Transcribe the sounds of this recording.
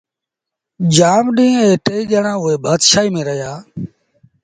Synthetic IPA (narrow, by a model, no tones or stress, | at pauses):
d͡ʒaːmɗĩːeːʈeːiːd͡ʒəɳãːʊɦeːbʱaːd̪ʃaːiːmẽːɾəjaː